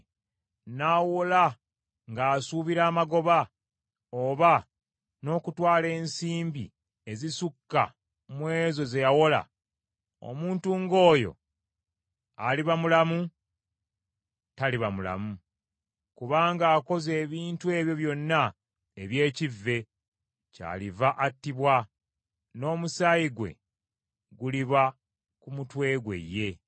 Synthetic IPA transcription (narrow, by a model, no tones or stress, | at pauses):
naːwola | ŋɡaːsuβiɾaːmaɡo̞βa | oβa | no̞ːkutwaːle̞ːnsiːmbḭ | e̞zisukːa̰ | mwe̞ːzo̞ze̞jawo̞la̰ | o̞̰muːntuŋɡo̞ːjo̞̰ | a̰liβamulamu | taliβamula̰mu | kuβaːŋɡaːko̞ze̞ːβiːntue̞ːβjo̞βjo̞nːa | eβje̞ːcivːe̞ | ca̰livaʔatːiβwa | no̞ːmusajiɡwe̞̰ | ɡuliβa | kumutwe̞ːɡwe̞̰jːe̞